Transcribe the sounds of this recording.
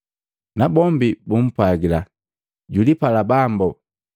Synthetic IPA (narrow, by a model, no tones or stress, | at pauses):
nabɔmbibum̩pwaɡila | ɟulipalabambɔ